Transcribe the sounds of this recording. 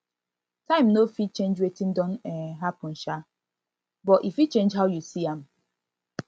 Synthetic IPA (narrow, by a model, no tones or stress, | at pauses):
taɪ̃mnofit͡ʃẽnd͡ʒwetin̩dɔn̩ɛɦapʊn̩ʃa | bɔʔifit͡ʃẽnd͡ʒɦaʊjusiam̩